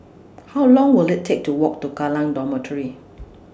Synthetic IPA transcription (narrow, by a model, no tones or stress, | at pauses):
hawlɔ̃ŋwɪlɪtʰːek̚tuwɔk̚tuɡalãndɔmətʰəɹi